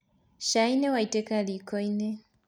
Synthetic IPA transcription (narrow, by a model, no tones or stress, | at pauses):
ʃainɛwaitɛkalikɔinɛ